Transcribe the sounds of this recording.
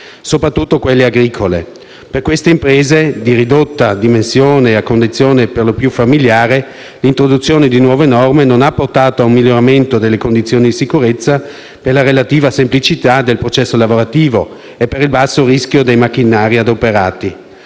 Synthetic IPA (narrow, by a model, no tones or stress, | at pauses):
sopɾat̪ːut̪ːokwelːeaɡɾikʰolḛ | perkwest̪eimpɾeːzed̪iɾid̪ot̪ːad̪imensjoːneakːond̪it̪sːjoːneperlopjufamiljaːɾe | lint̪ɾod̪ut̪sːjoːned̪inwɔːvenɔrmenonapːort̪aːt̪oaumːiljoɾament̪od̪elːekond̪it̪sːjoːnid̪isikuɾet̪sːa | perlaɾelat̪iːvasemplit͡ʃit̪ad̪elpɾot͡ʃɛsːolavoɾat̪iːvo | epːeɾilbasːoɾiskjod̪ejmakːinaːɾiad̪opeɾaːt̪i